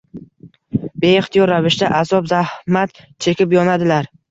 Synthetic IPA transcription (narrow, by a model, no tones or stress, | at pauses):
be̞ɪχt̪ʰijɒɾːavɪʃd̪aʔazɒbzahmat̪ | t͡ʃʰekʲɪpjɒnad̪ɪlaɾ